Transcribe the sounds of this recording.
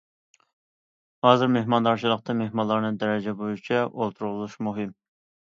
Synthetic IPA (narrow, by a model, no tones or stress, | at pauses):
hɑːzɨɾmehmɑnd̪ɑɾt͡ʃʰilˠəq̚t̪ɑmehmɑlˠːɑɾnɨd̪ɛɾɛd͡ʒɛbojut͡ʃʰɛʔolˠt̪ʰuɾʁlˠuʃmuɦɪm